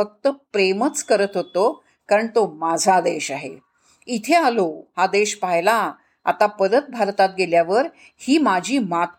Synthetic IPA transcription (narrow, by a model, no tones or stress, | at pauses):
ək̚t̪əpɾemət͡skəɾət̪ɦot̪o | kaɾəɳt̪omad͡zʱad̪eɕaɦḛ | it̪ʰealohad̪eɕpajla | a̰t̪apəd̪ət̪̚bʱaɾt̪at̪̚ɡeljaʋəɾ | hiːmad͡ʑʱiːmat̪